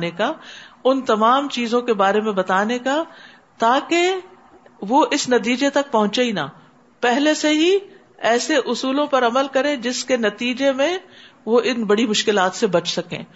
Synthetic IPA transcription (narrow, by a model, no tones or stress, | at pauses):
nekaʊnt̪ɐmaːmt͡ʃiːzõkebaːɾemẽbɐt̪aːneka | t̪aːke | ʋoʔɪsnɐt̪̬iːd͡ʒet̪ɐk̚pɐɦʊ̃t͡ʃaina̰ː | pɛɦleseɦi | ɛːseʔʊsuːlõpɐɾɐməlkɐɾẽd͡ʒɪskenɐt̪iːd͡ʒemẽ | ʋoʔɪnbɐɽimʊʃkɪlaːt̪sebɐt͡ʃʰsɐkḛ̃ː